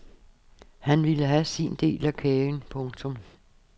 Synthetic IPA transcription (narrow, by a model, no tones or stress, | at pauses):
hænʋiləɦæsind̥e̝̰ːlækʰɛːnpʰɔ̽ŋt͡sʰɔ̽m